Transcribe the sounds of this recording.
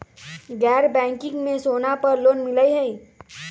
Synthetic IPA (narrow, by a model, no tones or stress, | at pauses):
ɡɛːɾbɛ̃ːŋkɪ̃ŋɡmẽsoːnapəɾloːnmɪləiɦəi